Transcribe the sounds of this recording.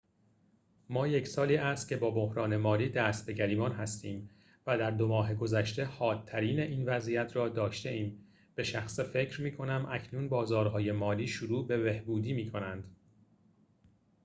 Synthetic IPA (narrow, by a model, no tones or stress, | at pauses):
mɒːje̞cʰsɒːliːʔæst̪̚cʰe̞bɒːbo̞hɾɒːne̞mɒːliːd̪æːst̪̚be̞ɟæɾiːmɒːnɦæst̪iːm | væd̪æɾd̪omɒːɦe̞ɡo̞zæʃt̪e̞hɒːt̪ʰːæɾiːneʔiːnvæzijæt̪ʰɾɒːd̪ɒːʃt̪e̞iːm | b̥e̞ʃæxsefe̞cʰɾmiːkʰo̞næmʔæcʰnuːnbɒːzɒːɾɦɒːje̞mɒːliːʃuɾuːbe̞behbuːd̪iːmiːkʰo̞nænd̪̥